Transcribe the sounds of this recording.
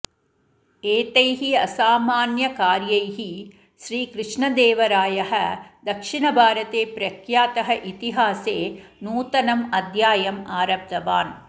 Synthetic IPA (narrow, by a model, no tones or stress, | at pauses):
eːt̪ɐjɦiɐsaːmaːnjɐkaːɾjɐjɦi | ʃɾiːkɾɨʂɳɐd̪eːʋɐɾaːjɐɦɐd̪ɐkʂiɳɐbʱaːɾɐt̪eːpɾɐkʰjaːt̪ɐɦɐʔit̪iɦaːseːnuːt̪ɐnɐmɐd̪ʱjaːjɐmaːɾɐb̚d̪ɐʋaːn